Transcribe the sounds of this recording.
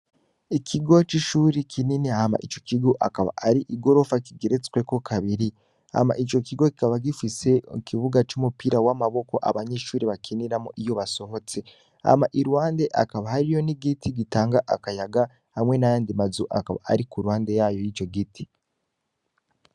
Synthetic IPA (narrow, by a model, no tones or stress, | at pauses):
ikʰiɡo̞t͡ʃiʃuːɾikʰininehama̰ʔit͡ʃo̞̥kiɡoʔa̰kaβa̰ʔaɾiʔiɡo̞ɾo̞fakiɡe̞ɾet͡skwe̞ko̞kʰaβiɾi | ha̰ma̰ʔit͡ʃo̞kiɡo̞ki̥kaβaɡifise̞ukivuɡat͡ʃumupiɾawamaβo̞ko̞ʔa̰βaɲeʃuːɾiβakʰiniɾamoʔijo̞βaso̞ɦo̞t͡se̞ | ha̰maʔiɾuwaːnde̞ʔakaβahaɾijo̞niɡitiɡitaːŋɡaʔakajaɡa | hamŋe̞najaːndimazuʔa̰kaβa̰ʔa̰ɾikuɾuwaːnde̞jaːjo̞jit͡ʃo̞ɡitʰi̥